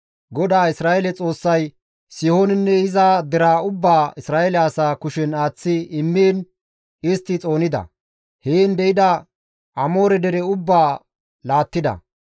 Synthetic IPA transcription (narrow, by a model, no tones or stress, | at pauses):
ɡɔd̪aːɪsɾaːjɛlɛt͡sʼo̞ːsːɐj | sɪhoːnɪnːɛɪzaːd̪ɛɾaːʊbːaːɪsɾaːʔɛlɛɐsaːkʊʃɛnaːt͡sːɪɪmːeːn | ɪst̪ːɪt͡sʼo̞ːnɪd̪ɐ̰ | heːnd̪ɛɪd̪ɐ | ʔɐmo̞ːɾɛd̪ɛɾɛʊbːaː | laːt̪ːɪd̪ɐ̰